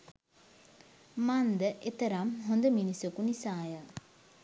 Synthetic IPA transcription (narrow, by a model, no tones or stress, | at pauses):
mand̪əʔet̪əɾamɦond̪əminisokunisaːjə